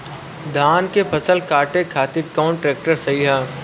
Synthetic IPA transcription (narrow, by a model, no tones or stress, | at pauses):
d̪ʱaːnkepʰɐsəlkaːʈekʰaːt̪ɪɾkɔːɳʈɾeːk̚ʈəɾsɐɦiɦaː